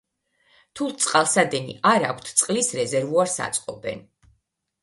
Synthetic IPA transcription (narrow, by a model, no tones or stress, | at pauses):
t̪ʰulˠt̪sʼqʼalˠsad̪ɛnḭaɾakʷʰt̪ʰt̪sʼqʼlisɾɛzɛɾvuaɾsa̰t̪sʼqʼɔbɛ̰n